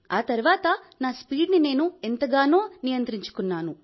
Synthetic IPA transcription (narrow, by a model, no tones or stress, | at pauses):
aːt̪ɐɾuʋaːt̪ɐnaːspiːɖnine̞ːnuent̪ɐɡaːnoːnijɐnt̪ɾiɲt͡ʃu̥kunːaːnu